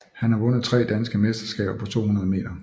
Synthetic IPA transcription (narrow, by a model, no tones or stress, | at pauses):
hænhɑ̈ʋɔ̽n̰əð̩ˠt͡sʰʁɛ̰ːd̥ænsɡ̥əmesd̥ɐsɡ̥ɛ̰ːb̥ɐpʰɒ̽t͡sʰo̝̰ːhunɐð̞ˠme̝̰ːd̥ɐ